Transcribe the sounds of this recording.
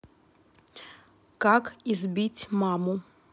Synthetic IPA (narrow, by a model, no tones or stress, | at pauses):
kakizbʲit͡sʲmɑmʊ